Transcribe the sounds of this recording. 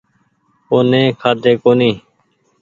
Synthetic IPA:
oːnẽːkʰaːd̪ʱeːkoːniː

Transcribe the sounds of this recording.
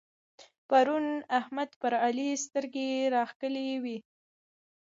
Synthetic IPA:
paɾunahmad̪pəɾalist̪əɾɡeɾɑxkəlewi

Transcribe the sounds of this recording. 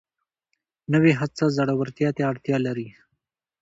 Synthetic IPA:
nəweɦat͡sazaɽawaɾt̪jɑt̪eaɽt̪jɑlaɾi

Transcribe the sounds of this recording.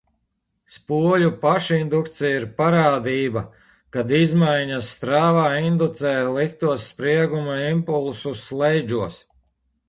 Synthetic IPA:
spuɔlʲupaʃind̪ukt̪sijiɾpaɾaːd̪iːba | kad̪izmajɲasːt̪ɾaːvaːind̪ut̪sɛːjlˠik̚t̪uɔsːpɾiɛɡumaimpulˠsuslˠɛjd͡ʒuɔs

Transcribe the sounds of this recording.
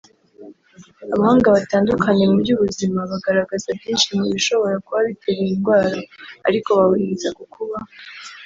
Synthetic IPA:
aβahaːŋɡaβataːndukʰaɲe̞mubɟuβuzimaβaɡaɾaɡazabɟiːnʃimiβiʃo̞βo̞ɾakuβaβitʰeβiinɡwaːɾaa̰ɾiko̞βawuizakukʰuβa

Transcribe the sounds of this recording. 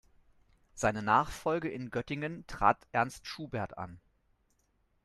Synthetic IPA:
z̥aɪnənaːχfɔlɡəʔɪnɡœtɪŋəntʁ̥a̰ːtʔɛɐnstʃuːbɛɐta̰n

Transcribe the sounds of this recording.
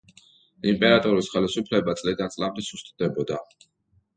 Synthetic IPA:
impʼɛɾat̪ʼɔɾisχɛlisupʰlɛbat̪sʼlid̪ant̪sʼlamd̪ɛsust̪ʼd̪ɛbɔd̪a

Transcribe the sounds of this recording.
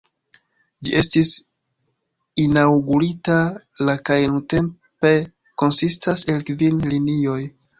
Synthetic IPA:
d͡ʒḭʔe̞stis | inawɡuɾita | lakajnunte̞m | pe̞ | ko̞nsistʰase̞lkvinlinio̞j

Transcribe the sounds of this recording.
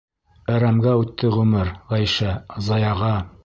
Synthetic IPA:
æɾæmɡæʉt̪ːɘʁʉmɘɾʁæjʃæzɑjɑʁɑ

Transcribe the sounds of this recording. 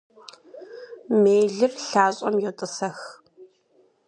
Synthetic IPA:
meːɮɨrɬaːɕʼɔmjɛwtʼɨsɐx

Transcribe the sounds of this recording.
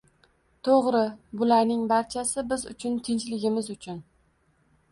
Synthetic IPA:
t̪ʰoʁɾɪbʊlaɾnɪŋbaɾt͡ʃʰasɪbɪzʊ̰t͡ʃʰʊnt̪ʰɪnt͡ʃlɪɡʲɪmɪzʊt͡ʃʰʊn

